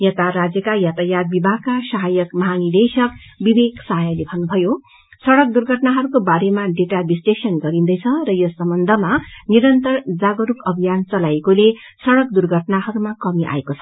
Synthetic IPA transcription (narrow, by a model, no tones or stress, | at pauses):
jʌt̪aɾad͡zjʌkajat̪ajaɡ̚bibʱakːasaɦajʌkmʌɦanid̪esʌkbibeksaɦjʌlebʱʌnːubʱʌjo | sʌɽʌk̚d̪urɡʱʌʈnaɦʌɾukobaɾemaɖeʈabisʈesʌnɡʌɾind̪ʌjt͡sʰʌrʌjosʌmbʌnd̪ʱʌmaniɾʌnt̪ʌrd͡zaɡʌɾukʌbʱijant͡sʌlajekole | sʌɽʌkd̪urɡʱʌʈnaɦʌɾumakʌmiʔa̰ekot͡sʰʌ̥